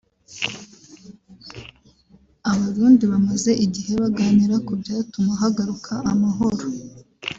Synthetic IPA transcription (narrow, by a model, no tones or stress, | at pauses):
aβaɾuːndiβamaze̞ʔiɟihe̞βaɡaːniɾakubjaːtumaɦaɡaɾukʰaʔːmaɦo̞ɾo